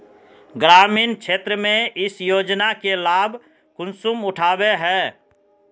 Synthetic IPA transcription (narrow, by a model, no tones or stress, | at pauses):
ɡɾaːmiːnkʃeːt̪ɾəmẽɪsjoːd͡ʒnakelaːbʱ | kʊnsumʊʈʰaːbeɦɛː